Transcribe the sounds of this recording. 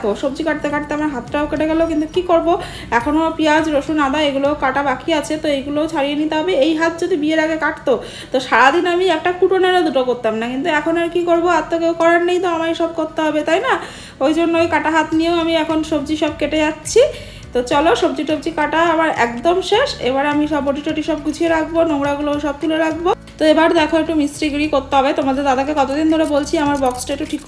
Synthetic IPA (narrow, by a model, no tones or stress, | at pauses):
kʰoʃobd͡ʑikaʈ̚t̪ekaʈ̚t̪eamaɾɦat̪ːʈaokeʈeɡɛlokint̪ukikoɾbo | ɛkʰonopiad͡ʑɾoʃunad̪aeɡulookaʈabakiat͡ɕʰet̪oejɡuloot͡ɕʰaɾijenit̪eɦɔbeejɦat̪̚d͡ʑod̪ʱibieɾaɡekaʈt̪o | t̪oʃaɾad̪inamiɛk̚ʈakuʈoneɾad̪uʈokoɾt̪amnakint̪uɛkʰonaɾkikoɾboat̪ːokeowkɔɾannejt̪oamaɾeʃɔb̚koɾt̪eɦɔbet̪ajna | ojd͡ʑonːojkaʈaɦat̪nieoamiɛkʰonʃob̚d͡ʑiʃɔbkeʈed͡ʑatːɕʰi | t̪ot͡ɕɔloʃobd͡ʑiʈob̚d͡ʑikaʈaamaɾɛ̰kd̪omʃeʃḛbaɾeamiʃɔboʈiʈoʈiʃɔb̚ɡut͡ɕʰieɾakʰbonomɾaɡuloʃɔb̚t̪uleɾakʰbot̪oebaɾd̪ɛkʰoek̚ʈumisɾiɡɾikoɾt̪ːeɦɔbet̪omad̪eɾd̪ad̪akeɡɔt̪od̪ind̪ʱoɾebolt͡ɕʰiamaɾbɔksʈaekʈuʈʰikː